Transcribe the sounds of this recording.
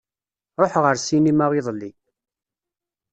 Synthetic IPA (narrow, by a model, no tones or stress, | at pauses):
ɾˤoħʁəɾsinimaʁiðˤlːi